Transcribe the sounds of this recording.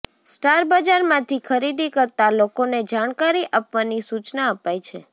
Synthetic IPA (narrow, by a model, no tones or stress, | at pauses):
sʈaɾbəd͡ʒaɾmãt̪ʰikʰəɾid̪ikəɾt̪alokoned͡ʒaɽ̃kaɾiʔapʋanisut͡ʃnaəpajt͡ʃʰḛ